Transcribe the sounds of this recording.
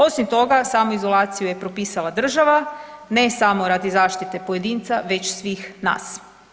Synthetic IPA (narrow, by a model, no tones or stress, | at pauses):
o̞simt̪o̞ɡasaːmoizo̞lˠaːt̪sijuje̞pɾo̞piːsalˠad̪r̩ʒaʋane̞samo̞ɾad̪izaːʃt̪it̪e̞po̞jed̪iːnt̪saʋe̞t͡ɕsʋiːxna̰ːs